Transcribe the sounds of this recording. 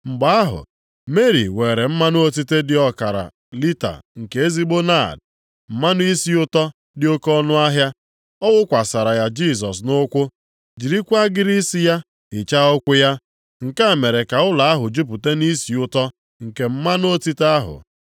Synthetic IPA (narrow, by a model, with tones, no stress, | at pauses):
ŋ͡m̩˨ɡ͡ba˨˦a˦ɦʊ̰˨ | me˦ɾḭ˨we˨ɾe˨m̩˦ma˦nʊ˦o˦ti˦te˦dɪ˨ɔ˦ka˨ɾa̰˨ | li˦ta̰˨ŋ̩˨ke˨e˦zi˦ɡ͡bo˦na˦˨d | m̩˨ma˦nʊ˦i˦si˦ʊ˦tɔ˦ | dɪ˦o˦kɔ˦nʊ˦a˦ɦja˦ | ɔ˦wʊ˦kʷa˨sa˨ɾa˨ja˦d͡ʒi˦˨s̬ɔ˨s̬nʊ˦kʷʊ˦ | d͡ʒi˨ɾi˦kʷa˦ɡɪ˦ɾi˦si˦ja˦ | ɪ˨t͡ʃa˦ɔ˦kʷʊ˦ja˦ | ŋ̩˨ka˦˨me˨ɾe˨ka˨ʊ˦la˨a˦ɦʊ˨d͡ʒu˦p̬u˨te˦ni˦si˨ʊ˦tɔ˦ | ŋ̩˨ke˨m̩˦ma˦no˦ti˦ta˦ɦʊ̰˨